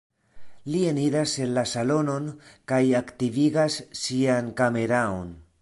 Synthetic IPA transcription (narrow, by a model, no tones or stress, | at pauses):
lie̞niɾase̞nlasalo̞no̞nkajaktiviɡasːiankame̞ɾao̰n